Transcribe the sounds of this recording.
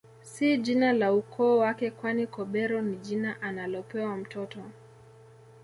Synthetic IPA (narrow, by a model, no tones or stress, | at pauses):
sid͡ʒinalaukʰɔːwakɛkwanikɔɓɛɾɔniʄinaʔanalɔpɛwam̩tɔtɔ